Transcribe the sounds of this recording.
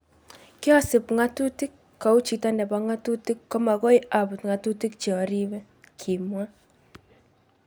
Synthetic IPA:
ki˦ɔ˦sɪ˨pŋa˦tu˦ti˦kːa˨u˦t͡ʃi˨ta˦ndɛ˨ba˦ŋa˦tu˦ti˦kːɔ˦ma˨ɣɔ˦iʔa˨bu˨tŋa˨tu˦ti˦k̚t͡ʃɔ˨ɾi˦βɛ˦ | kʰi˨mwa˦

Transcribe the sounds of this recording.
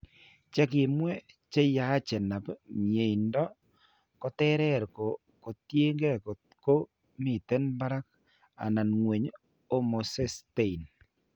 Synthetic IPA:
t͡ʃɛ˦kɪ˨mwɛ˦ | t͡ʃe˦ja˨˦t͡ʃɛ˨na˨pmje˨i˨ndɔ˦ | kɔ˨tɛ˦ɾɛ˦˨ɾko˨ | ko˨tje˦ŋɡɛ˦k | ko˦ | mɪ˨tɛ˦nba˦ɾa˦k̚ | a̰˨na˨nŋwe˨ɲ | o˦mo˨sɛ˦ste˦i˨n

